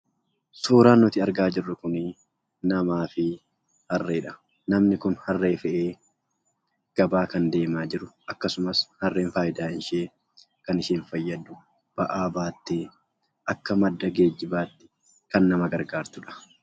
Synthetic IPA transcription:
soːɾaːnɔt̪ɪɐɾɡaːd͡ʒɪrːʊkʊnɪ | nɐmaːfɪ | hɐrːeːᶑɐ̥ | nɐmnɪkʊnhɐrːeːfɛʔeː | ɡ̥ɐbaːkɐnd̪e̞ːmaːd͡ʒɪɾʊʔɐkːɐsʊmɐshɐrːeːnfaːjɪd̪aːɪnʃeː | kɐnɪʃeːnfɐjːɐd̪ʊ | b̥ɐʔaːbaːt̪ːeː | ʔɐkːɐmɐd̪ːɐɡe̞ːd͡ʒːɪbaːt̪ːɪ̥ | kɐnːɐmɐɡɐɾɡaːɾt̪ʊᶑɐ̥

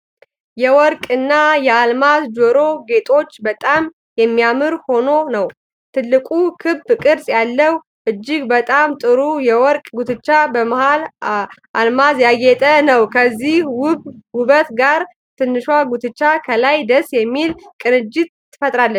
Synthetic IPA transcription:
jɛwɔɾkʼɨnːajɛalmazd͡ʒoɾo̞ɡe̞t̪ʼo̞t͡ʃːbət̪ʼam | jɛmːijamɨɾho̞no̞nəw | t̪ʰɨlːɨkʼukʰɨβfkʼɨɾsʼjalːəw | ʔɨd͡ʒːɪɡbət̪ʼamt̪ʼɨɾujɛwɔɾkʼɡut̪ʰɨt͡ʃːabəmahalʔalmazjaɡɛt̪ʼənəwkʰəzːihwʊbwʊβət̪ɡaɾ | t̪ʰɨnːɨʃwaɡut̪ʰɨt͡ʃːakʰəlajd̪əsjɛmːilkʼɨnɨd͡ʒɪt̪̚ːɨfət̪ʼɾalːə

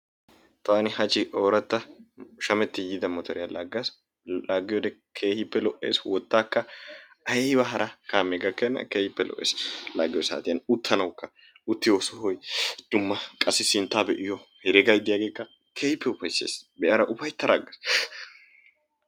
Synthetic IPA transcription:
t̪aːnɪhɐt͡ʃːɪʔoːɾɐt̪ːɐʃɐmɛt̪ːɪjɪd̪ɐmɔt̪ʰɔɾɪjalaɡːɐs | laːɡːɪjɔd̪ɛkʰeːhɪpːɛlɔʔe̞̰ːswɔt̪ːaːkːɐɐjɛhɪbɐɦɐɾʔɐkaːmeːɡɐkːenːɐ̰keːhɪpːɛlɔ̰ʔːḛːslaːɡɪjɔsa̰ːt̪ɪjɐnʊt̪ʰːɐnɐwkːɐ | ʊt̪ːɪjosɔhɔjd̪̥ʊmːɐkʼɐsɪsɪnt̪ːaːbɛʔɪjɔhɛɾɛɡɐjd̪ːɪjaːɡeːkːɐ | kʰeːhɪpːɛʊpːɐjsḛːsbɛʔɐɾɐʔʊfɐjt̪ːɐɾaːɡɐs

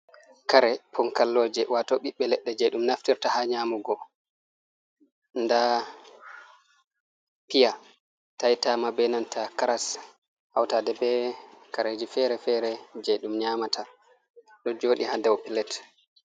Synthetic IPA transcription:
kaɾɛpʰɔŋkalːoːd͡ʒɛwʔatɔɓiɓːɛlɛɗːɛd͡ʒɛjɗumnaftiɾtahaɲaːmuɡɔ | nda | pija | tajtamabɛnantʰakaɾas | ʔawtaːdɛbɛkaɾed͡ʒifɛɾɛfɛɾɛd͡ʒɛjɗumɲamatʰa | ɗɔd͡ʒoːɗihadɛwɔpilɛt

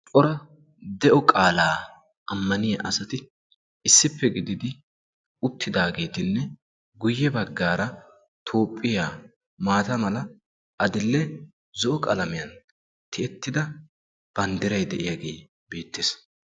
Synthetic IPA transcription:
kʼɔɾɐ | d̪ɛʔɔkʼaːlaː | ʔɐmːɐnɪjɐʔɐsɐt̪ɪ | ɪsːɪpʰːɛɡɪd̪ɪd̪ɪ | ʊt̪ʰːɪd̪aːɡe̞ːt̪ɪnːɛ | ɡʊjːɛbɐɡːaːɾɐ | t̪ʰo̞ːpʼːɪjaː | maːt̪ɐmɐlɐ | ʔɐd̪ɪlːɛ | zɔʔɔkʼɐlɐmɪjɐn | t̪ɪɛt̪ːɪd̪ɐ | b̥ɐnd̪ɪɾɐjd̪ɛʔɪjaɡe̞̰ː | b̥e̞ːt̪ːeːs

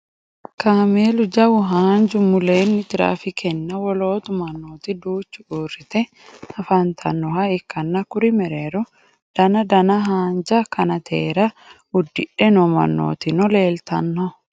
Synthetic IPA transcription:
kaːmeːlʊd͡ʒɐwʊɦaːnd͡ʒʊmʊleːnːɪd͡ʒɪɾa̰ːfɪkʰɛnːɐwɔlo̞ːt̪ʊmɐnːoːt̪ɪd̪uːt͡ʃːʊuːrɪt̪ɛ | ɐfant̪ʰɐ̰nːɔhɐɪkːɐnːɐkʊɾɪmɛɾeːɾɔ | d̪̥ɐnɐd̪ɐnɐɦaːnd͡ʒɐkɐnɐt̪ʰḛːɾɐ | ʊd̪ːɪᶑɛnɔmɐ̰nːo̰ːt̪ɪnɔle̞ːlt̪ɐnːɔ

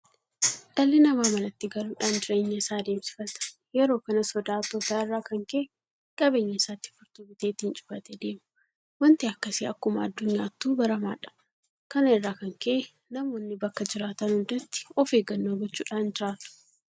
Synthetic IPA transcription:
ᶑɐlːɪnɐmaːmɐnɐt̪ːɪɡɐluːᶑaːnd͡ʒɪɾe̞ːɲːɐɪsaːd̪eːmsɪ̥fɐt̪ɐ̥ | jɛɾo̞ːkɐnɐsɔd̪aːt̪oːt̪aːɪrːaːkɐŋkeʔ | kʼɐbeːɲːɐɪsaːt̪ːɪ̥fʊɾt̪ʊbɪt̪eːt̪ːɪnt͡ʃʼʊ̥fɐt̪ed̪e̞ːmʊ̥ | wɐnt̪iɐkːɐsiːɐkːʊmɐːd̪ːʊɲːaːt̪ːuːbɐɾɐma̰ːᶑɐ̥ | kɐnɐɪrːaːkɐŋkeʔ | nɐmo̞ːnːɪbɐkːɐd͡ʒɪɾaːt̪ɐnhʊnd̪ɐt̪ːɪ̥ɔfeːɡɐnːoːɡɔt͡ʃːṵːᶑaːnd͡ʒɪɾaːt̪ʊ̥

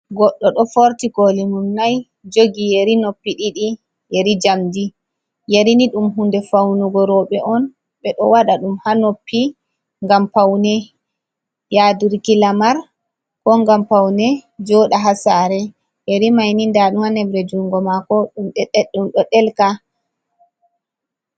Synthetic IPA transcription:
ɡɔɗːɔɗɔfoɾtikolimumnaj | d͡ʒoɡijeɾinopːiɗiɗi | jeɾid͡ʒamdi | jeɾiniɗumɦundɛfawnuɡɔɾɔɓɛʔɔn | ɓɛɗɔ̰waɗaɗumhanopːi | ŋɡampawnɛ | jaduɾkilamaɾ | kɔŋɡampawnɛd͡ʒɔɗaɦasaɾɛ | jeɾimajnindaɗumhanɛbɾɛd͡ʒuŋɡɔmakɔɗumɗɛɗumɗɔɗɛlka

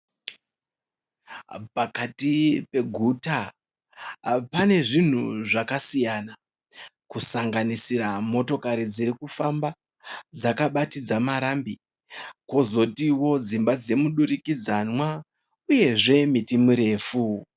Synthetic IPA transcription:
pakatipe̞ɡʱuːta | pane̞ʐin̤uʐakasijana | kusaŋɡanisiramo̞to̞kaɾid͡ziɾikufamba | d͡zakaɓatid͡zamaɾambi | ko̞zo̞tiwo̞d͡zimbad͡ze̞muɗurikid͡zanwa | uje̞ʐe̞mitimuɾe̞ːfu

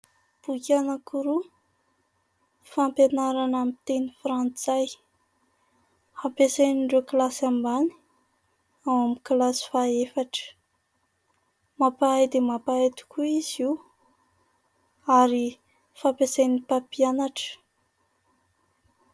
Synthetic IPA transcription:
b̥ukʲanakuɾu | fampenaɾanamit̪enifɾant͡saj | hapesajniɳɖ͡ʐoklasambani̥ | awamiklasi̥faefaʈ͡ʂə̥ | mapaajd̪emapaet̪u̥kʰuiziw | aɾi | fapesajnipapianaʈ͡ʂə̥

